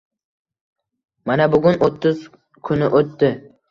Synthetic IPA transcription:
manabʊɡʊnot̪ʰːʊz | kʰʊnɪʔot̪ːɪ

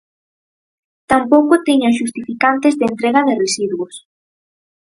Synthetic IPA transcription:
t̪ampowkʊt̪eɲaʃ̬ust̪ifikant̪ɪzðent̪ɾeɣaðɪresiðwos

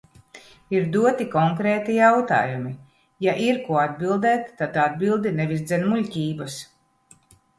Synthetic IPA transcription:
iɾd̪uɔt̪ikɔŋkɾɛːt̪ijawt̪a̰ːjumi | jaʔiɾkuɔad̪bilˠd̪ɛːt̪ːad̪ad̪̚bilˠd̪inɛvisd̪zɛnmulʲcʲiːbɐs

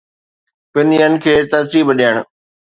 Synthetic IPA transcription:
pɪnijənɪ̆kʰeːt̪ɐɾsiːbɗijəɽ̃

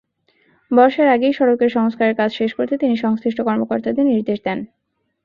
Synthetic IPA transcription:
bɔʃaɾaɡejʃɔɽokeɾʃɔŋskaɾeɾkad͡ʑʰʱʃeʃkoɾt̪ʰet̪iniʃɔŋst̪ɾiʃʈokɔɾmokoɾt̪ad̪eɾniɾd̪eʃd̪ɛn

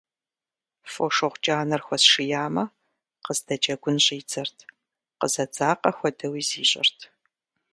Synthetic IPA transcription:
foːʂoʁʷt͡ʃʼaːnɐrxʷɔsʂɨjaːmɐ | qəzdɐt͡ʃʼɐɡʷʊnɕʼiːt͡sɐrtʰ | qəzɐd͡zaːqɐxʷɔdɐwiːziːɕʼɪ̰rtʰ

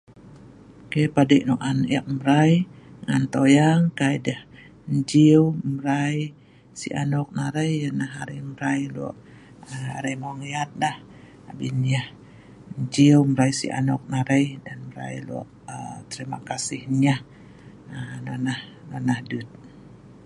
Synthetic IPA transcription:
kepadəʔ̚nɔʔanʔiʔ̚məɾajŋant̪ojaŋkajdəh | ɲd͡ʒiwməɾaj | sḭʔa̰nɔk̚naɾəjanahaɾəməɾajlɔ̰ʔ | a̰ɾəjmaŋiat̪̚nah | abinah | ɲd͡ʒiwmɾajsḭʔa̰nɔk̚naɾəjdanməɾa̰jlɔ̰ʔ | ət̪əɾima̰kasɪhɲah | ənanah | nanahdut̪̚

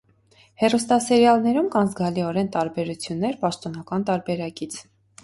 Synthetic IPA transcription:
hɛrust̪ɑsɛɾjɑlnɛɾumkɑnzɡɑliɔɾɛnt̪ɑɾbɛɾut͡sʰjunːɛɾpɑʃt̪ɔnɑkɑnt̪ɑɾbɛɾɑkit͡sʰ

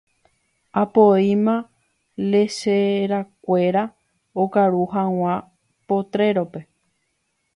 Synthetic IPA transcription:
apoimã | leʃeɾakʷe̞ɾa | okaɾuɦãw̃ã | po̞t̪ɾe̞ɾo̞pe̞

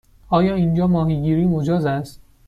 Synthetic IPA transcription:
ɒːjɒːind͡ʒɒːmɒːɦiɡiːɾiːmod͡ʒɒːzæst̪

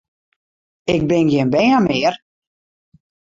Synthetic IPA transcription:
ɪk̚bɪnɡɪənbɛːəmɪər

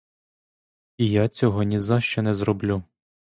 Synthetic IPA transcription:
ijat͡sʲɔɦɔnʲizɑʃt͡ʃɛnɛzɾɔblʲu

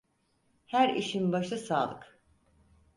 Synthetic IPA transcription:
hæɾḭʃinbaʃasa̰ːlˠɯk

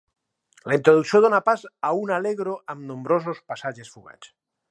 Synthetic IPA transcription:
laint̪ɾoðusjoðonapasaunaleɣɾoʔamnõmbɾos̬ospasaʒesfuɣa̰t͡s

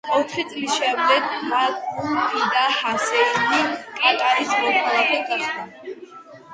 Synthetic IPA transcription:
ɔt̪ʰχit̪sʼlisʃɛmd̪ɛɡmalumpʰid̪ahasɛɾinikʼat̪ʼaɾismɔkʰalˠapʰɛɡaχd̪a

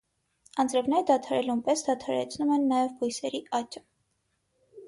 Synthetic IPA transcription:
ɑnd͡zɾɛvnɛjd̪ɑt̪ʰɑɾɛlumpɛsd̪ɑt̪ʰɑɾɛ̰t͡sʰnumɛnːɑjɛvbujsɛɾiʔɑt͡ʃə̥

